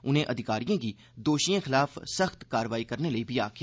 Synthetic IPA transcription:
ʊnɦẽʔɐd̪ʱɪkaːɾijõki | d̪oːʃijẽxɪlaːfsɐxt̪kaːɾʋaːikɐɾnelɐibʱiaːkʰjaː

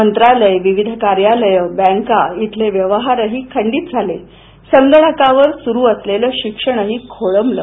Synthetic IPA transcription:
ənt̪ɾaləjʋiʋid̪ʱkaɾjaləjəbɛ̃ŋkait̪ʰleʋjəʋəɦaɾəɦiːkʰəɳɖiːt̪̚d͡zʱale | səŋɡəɳəkaʋəɾsuɾuːəsleləːɕikʂəɳ̃əɦiːkʰoɭəmləː

